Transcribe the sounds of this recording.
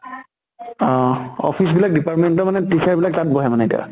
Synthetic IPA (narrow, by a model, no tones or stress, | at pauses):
ɔ̰pʰisbilak̚dipaɹtmɛntɔmanɛtisʰaɹbilak̚tat̚bɔɦɛmanɛtḭa̰